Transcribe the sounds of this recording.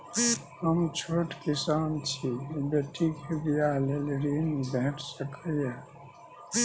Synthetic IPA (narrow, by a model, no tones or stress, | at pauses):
həmt͡ʃʰoːʈkɪsaːnt͡ʃʰibeʈʰikebijalelɾiːnbɛɦʈʰsəkʰəjɛ